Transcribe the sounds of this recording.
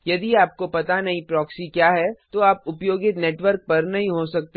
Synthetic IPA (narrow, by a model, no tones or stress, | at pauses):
jɐd̪iaːp̚kopɐt̪anɐɦĩpɾɔːksikjaːɦɛt̪oaːpʊpjoːɡɪt̪neːʈʋəɾk̚pɐɾnɐɦĩɦosɐk̚t̪e